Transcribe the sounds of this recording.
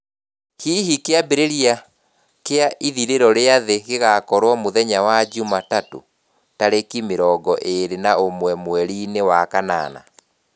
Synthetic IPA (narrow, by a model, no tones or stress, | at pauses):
hiːɦikeabeɾeɾia | keaʔiðiɾeɾɔɾeaðeɣeɣakɔɾwɔmoðɛɲawad͡ʒumatato̰ | taɾekimeɾɔɡɔʔeɾenaomwɛmwɛɾinewakana̰na̰